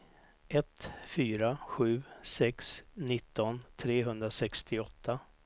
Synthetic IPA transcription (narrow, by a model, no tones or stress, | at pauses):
ɛt̪fyːɾaɧʉ̟ːsɛksnɪt̪ːɔnt̪ʰɾeːɦɵnd̪ɾasɛkst̪ʰɪɔt̪ʰːa